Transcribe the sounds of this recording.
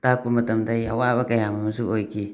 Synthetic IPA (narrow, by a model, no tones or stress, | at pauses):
takumatamtaiawabakajamamsuoki